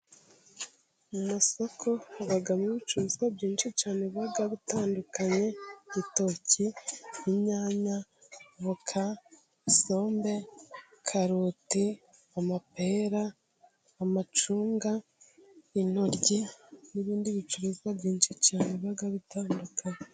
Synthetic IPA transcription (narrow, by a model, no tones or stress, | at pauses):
mumaso̞kʰo̞aβaɡameβit͡ʃuɾuzwabɟiːnʃit͡ʃaːneβiβaɡaβitaːndukaɲe̞ito̞ciimɲaːɲaβokʰa | iso̞ːmbe̞kʰaɾuti | amape̞ɾaː | mat͡ʃuːŋɡa | inoɾɟiniβiːndiβit͡ʃuɾuzɡaβɟiːnʃit͡ʃaːneβiβaɡaβitaːndukʰaɲe